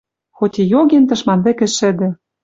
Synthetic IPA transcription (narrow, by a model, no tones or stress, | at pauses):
xot̪ʲejoɣent̪ɤ̆ʃmɑnd̪ɘ̆kɘ̆ʃɘ̆d̪ɘ̆